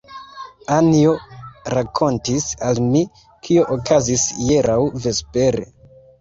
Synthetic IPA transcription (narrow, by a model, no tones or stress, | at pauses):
anio̞ɾakʰo̞ntisalmi | kʰio̞ʔokazisjeɾawve̞spe̞ɾḛ